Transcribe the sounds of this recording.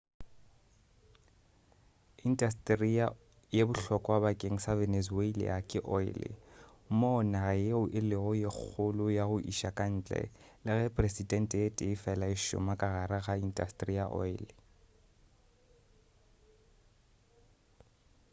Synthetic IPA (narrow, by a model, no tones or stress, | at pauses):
indʼastʼria | jebʊɬɔkʼɔwabakʼeŋ̩savɛnesweil̰ʔakʼɪʔɔɪ̰lɪ̰ | mɔnajeʊʔɪlɪɣɔjek͡xʰʊlʊjaɣʊʔḭʃakʼan̩ːt͡ɬʼɛ̰lɪɣɛpʼresidʼɛn̩tʼetʼɪːfɛlaɪʃʊ̰makʼaɣaɾaɣaindʼastʼriaʔɔ̰ɪlɪ